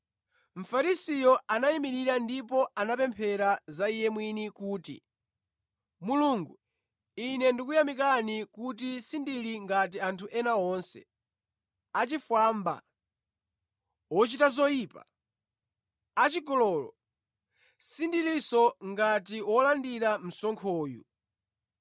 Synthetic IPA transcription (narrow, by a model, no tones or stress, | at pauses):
ɱ̩faɾisijɔanaimiɾiɾandipɔanapɛmpʰɛɾazaijɛmwinikuːtḭ | muluŋɡu | inɛndik̬ujamik̬anikut̬isindiliŋɡatiantʰuʔɛnaɔnsɛ̰ | at͡ʃifwaːmba̰ | wɔt͡ʃitazɔjiːpa̰ | at͡ʃikɔlɔːlɔ | sindilisɔŋɡatiwɔlandiɾam̩sɔŋkʰɔːjṵ